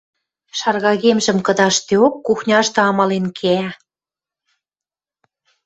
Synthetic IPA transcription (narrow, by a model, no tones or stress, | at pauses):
ʃɑrɣɑɣemʒə̆mkɤ̆d̪ɑʃt̪eokːuxnʲɑʃt̪ɤɑmɑlenkʰeæ